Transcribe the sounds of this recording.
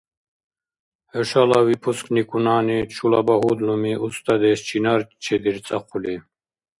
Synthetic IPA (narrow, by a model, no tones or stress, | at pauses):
həʃalawipʰusknikʼunaːnit͡ʃʰulabaɦud̪lumiʔust̪ʰʼad̪ɛst͡ʃʰinaɾt͡ʃʰɛd̪iɾt͡sʼaqʰuli